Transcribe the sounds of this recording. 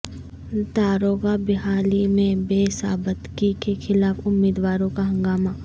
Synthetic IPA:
t̪aːɾoːɣabɪɦaːlimẽbeːsaːbət̪kikexɪlaːfʊmːiːd̪waːɾõkaɦɐ̃ŋɡaːmaː

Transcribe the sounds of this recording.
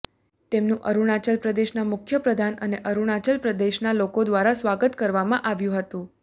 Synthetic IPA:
t̪emnũʔəɾuɳ̃at͡ʃəlpɾəd̪eʃnamʊkʰjəpɾəd̪ʱanəneʔəɾuɳ̃at͡ʃəlpɾəd̪eʃnalokod̪ʋaɾasʋaɡət̪kəɾʋamãʔaʋjũɦət̪ũ

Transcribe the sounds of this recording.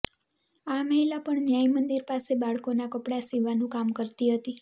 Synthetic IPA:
aməɦilapəɳnjajmənd̪iɾpasebaɭkonakəpɽasiʋanũkamkəɾt̪iɦət̪i

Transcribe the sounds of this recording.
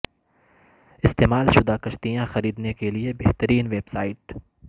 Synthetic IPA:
ɪst̪eːmaːlʃʊd̪aːkɐʃt̪ijãxɐɾiːd̪nekeliebeɦt̪əɾiːnʋeːbsaːɪʈ

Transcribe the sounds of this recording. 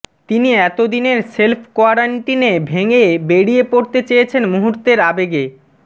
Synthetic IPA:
t̪iniɛt̪od̪ineɾselpʰkoaɾaɳʈinebʱeŋebeɽiepoɾt̪et͡ɕejet͡ɕʰenmuɦuɾt̪eɾabeɡe

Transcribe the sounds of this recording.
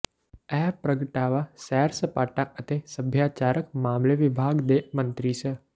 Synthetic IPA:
ɛːɦpɾəɡəʈaːʋasɛːɾsəpaːʈaʔət̪esəbʱjaːt͡ʃaːɾəkmaːmleʋɪbʱaːɡd̪emə̃nt̪ɾiːsə

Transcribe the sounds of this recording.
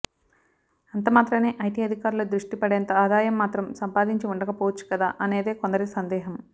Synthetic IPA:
ɐnt̪ɐmaːt̪ɾɐneːʔɐjʈiːɐd̪ʱikaːɾuloːd̪ɾuʂʈipɐɽeːnt̪ɐaːd̪aːjɐmːaːt̪ɾɐmsɐmpaːd̪iɲt͡ʃiuɳɖɐkɐpoːɐt͡ʃːu̥kɐd̪a̰ːʔɐne̞ːd̪e̞ːko̞nd̪ɐɾisɐnd̪ɛːɦɐm

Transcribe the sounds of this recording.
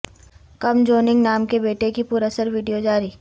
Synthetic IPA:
kɐmd͡ʒoːnɪ̃ŋɡnaːmkebeːʈekipʊɾəsəɾʋiːɖijod͡ʒaːɾi

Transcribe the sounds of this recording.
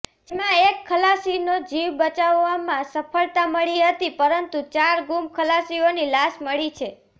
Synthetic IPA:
d͡ʒemãekʰːəlasinod͡ʒiʋbət͡ʃaʋːamãsəpʰəɭt̪aməɭiɦət̪ipəɾənt̪ut͡ʃaɾɡumkʰəlasionilaʃməɭit͡ʃʰe

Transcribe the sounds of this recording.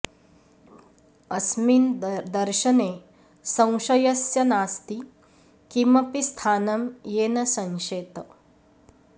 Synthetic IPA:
ɐsmind̪ɐɾʃɐne | sɐ̃w̃ʃɐjɐsjɐnaːst̪i | kimɐpist̪ʰaːnɐmjeːnɐsɐ̃ŋʃeːt̪ɐ

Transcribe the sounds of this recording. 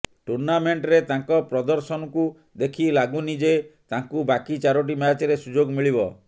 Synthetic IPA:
ʈuɾnameɳʈɾet̪aŋkɔpɾɔd̪ɔɾsɔnɔku | d̪ekʰilaɡunid͡ʒet̪aŋkubakit͡ʃaɾoʈ̬imat͡ʃɔɾesud͡ʒoɡmiɭibɔ

